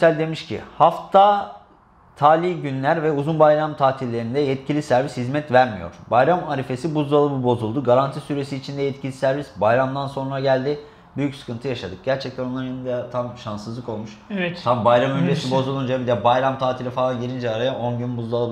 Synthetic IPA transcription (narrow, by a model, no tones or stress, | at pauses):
ysælʲd̪e̞miʃcʰḭhaft̪ʰa | t̪ʰaːlʲiɟynlʲæɾvɛuzunbajɾamt̪ʰaːt̪ʰilʲːe̞ɾind̪ɛjɛt̪cʰilʲisæɾvishizmɛt̪væɾmijo̰ɾ̥bajɾamaɾife̞sibuzd̪ˠalˠɯbɯbo̞zulˠd̪uɡaɾant̪ʰisyɾe̞siːt͡ʃʰind̪ɛjɛt̪cʰilʲisæɾvisbajɾamd̪anso̞nɾaɟælʲd̪ɪ | byjycsɯ̥kʰɯnt̪ʰɯjaʃad̪ɯk̚ɟæɾt͡ʃʰɛc̚t̪ʰænonˠaɾinid̪ɛt̪ʰamʃansɯzlˠɯko̞lˠmuʃvɛt̪tʰambajɾamyesibo̞zulˠund͡ʒaebid̪ɛbajɾamt̪ʰaːt̪ʰilʲifalˠanjeɾʲind͡ʒɛaɾajaʔo̞nɟynbuzd̪ˠalˠɯb